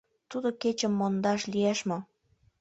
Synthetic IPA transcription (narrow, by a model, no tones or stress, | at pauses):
t̪ud̪oket͡ɕəmːond̪ɑʃlieʃmo